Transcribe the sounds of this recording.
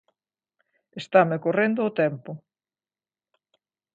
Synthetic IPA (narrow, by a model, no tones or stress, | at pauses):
est̪amekorend̪ʊːt̪ɛmpʊ